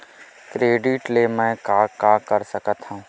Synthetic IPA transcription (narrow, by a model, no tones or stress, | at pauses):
kɾeːɖɪʈlemɛ̃kaːkaːkəɾsəkət̪ɦũː